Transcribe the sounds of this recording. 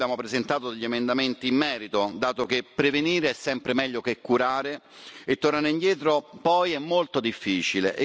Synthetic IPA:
jaːmopɾezent̪aːt̪od̪eʎːiemend̪ament̪iːmːɛːɾit̪od̪aːt̪ok̟epːɾeveniːɾeɛsːɛmpɾemɛʎːokekːuɾaːɾeet̪ːornaːɾeind̪jɛːt̪ɾopɔjɛmːolt̪od̪ifːiːt͡ʃileʔ

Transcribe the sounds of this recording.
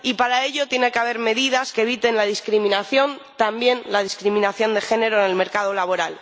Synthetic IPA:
ipaɾae̞ʎo̞t̪je̞nekeaβ̞e̞ɾme̞ðið̞aske̞ːβ̞it̪e̞nlað̞iskɾimĩnaθjo̞nt̪ambje̞nlaðiskɾimĩnaθjo̞nd̪exe̞ne̞ɾoene̞lme̞ɾkaðo̞laβo̞ɾal

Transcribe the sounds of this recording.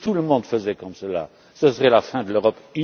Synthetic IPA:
t̪uləmɔ̃d̪fəzɛkɔmsəla̰ | səsəʁɛlafɛ̃d̪əløʁɔpy

